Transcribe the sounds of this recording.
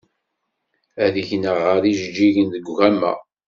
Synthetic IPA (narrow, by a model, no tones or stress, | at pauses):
æðiçnəʁːəɾiʒəd͡ʒːiʝənðəɡʷʝæmːæ̰